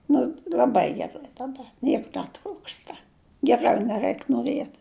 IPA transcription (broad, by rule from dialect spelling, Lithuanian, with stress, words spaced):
ˈnʊ lʲɐˈbɐɪ ɡʲɛˈrɐɪ dɐˈbɐ ˈnʲiɛk nʲɛˈtruːkstɐ ɡʲɛˈrɐʊ nʲɛˈrɐɪk noːˈrʲiɛt